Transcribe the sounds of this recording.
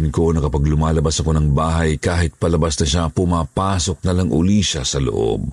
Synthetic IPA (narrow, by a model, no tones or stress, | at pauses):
ɪnko̞nɐkɐpɐɡlʊmaːlɐbasɐko̞nɐŋbaːɦɐjkaːhɪt̪̚pɐlɐbasnɐʃapʊmaːpaːso̞k̚nɐlaŋʔʊ̰liːʃɐsɐlo̰ʔo̰b̚